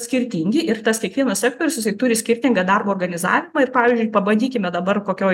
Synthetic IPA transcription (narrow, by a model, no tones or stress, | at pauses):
sʲkʲɪɾʲt̪ʲiːŋʲɡʲɪʔɪɾt̪ɐskʲiɛkʋʲiɛnɐssʲæːk̚t̪oːɾʲʊsʲjɪsɐɪt̪ʊɾʲɪsʲkʲɪɾʲt̪ʲɪŋɡɐd̪ɐrboːrɡɐnʲɪzɑ̰ːʋʲɪmɑːɪrpɑːʋʲɪzʲd͡ʒʲʊɪpɐbɐnʲd̪ʲiːkʲɪmʲɛd̪ɐbɐrkoːkʲoː